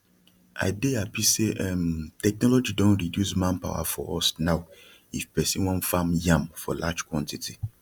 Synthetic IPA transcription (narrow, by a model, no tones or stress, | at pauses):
a̰ɪdeapiseʔɛmtɛk̚nɔlɔd͡ʒidõntɹidjusmãnpa̰wa̰fɔɔ̰snaʊ | ifpɛsĩnwɔ̃nfamjãmfɔ̰lad͡ʒkwɔ̃ntitʰi